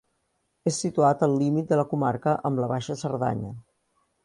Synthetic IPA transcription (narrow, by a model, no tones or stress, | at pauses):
esːit̪uat̪əlˠːimit̪̚d̪ələkumaɾkəʔəmləβaʃəsəɾða̰ɲə̰